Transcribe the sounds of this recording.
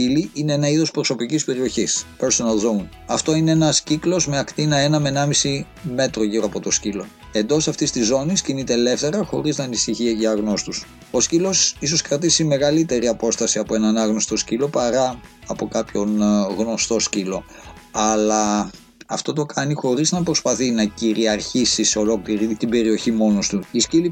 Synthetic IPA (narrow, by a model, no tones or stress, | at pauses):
iliʔine̞enɐiðo̞spɾo̞so̞picispe̞ɾio̞çispeɾsonɐlzo̞un | ɐft̪o̞ineenɐsciklo̞zmeɐkt̪inɐe̞nɐme̞nɐmisi | me̞t̪ɾo̞ʝiɾoɐpo̞t̪o̞scilo̞ | e̞nd̪o̞sɐft̪ist̪izːo̞niscinit̪e̞le̞ft̪e̞ɾɐxo̞ɾiznɐːnisiçiʝɐɣno̞st̪us | o̞scilo̞siso̞skɾɐt̪isime̞ɣɐlit̪e̞ɾiɐpo̞st̪ɐsiɐpo̞e̞nɐnɐɣnost̪o̞scilo̞pɐɾɐɐpo̞kɐpço̞nɣno̞st̪o̞scilo̞ɐlɐ | ɐft̪o̞t̪o̞kʰɐnixo̞ɾiznɐpɾo̞spɐθinɐciɾiɐɾçisiso̞lo̞kliɾit̪ibe̞ɾio̞çimo̞nost̪uiscili